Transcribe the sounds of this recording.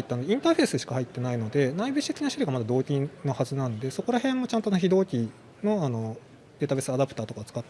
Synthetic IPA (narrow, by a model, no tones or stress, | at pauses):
it̪ːanod̪eĩnt̪aːɸe̞ːsɨɕi̥kahait̪ːe̞naino̞d̪e̞naibɯ̟t͡ɕi̥t̪ekʲinaɕiɾʲiɡamad̪ad̪o̞ːt̪ʲĩno̞hazɨnãnod̪e̞so̞ko̞ɾahẽ̞mːo̞t͡ɕãnt̪onoçʲid̪o̞ːkʲi | no̞ano̞ | d̪e̞ːt̪abesɨad̪apɯ̟t̪aːt̪o̞kaot͡sɨ̥kat̪ː